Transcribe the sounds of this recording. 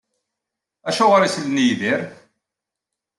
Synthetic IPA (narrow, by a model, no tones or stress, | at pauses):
æʃʊʁɾislnijðiɾ